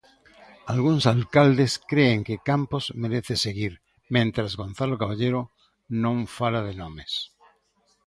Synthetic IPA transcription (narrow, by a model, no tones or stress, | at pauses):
alɣuŋsalkald̪eskɾeːŋkekampozmeɾeθeseɣiɾ | mẽnt̪ɾazɣõnθalokaβaʎeɾo | nõŋfalaðenõmes